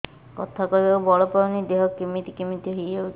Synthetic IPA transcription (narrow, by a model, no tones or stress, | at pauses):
kɔt̪ʰakɔiawbɔɭɔpɔɾɔnid̪eɦɔkːimit̪ikimit̪iɦijeut͡ʃ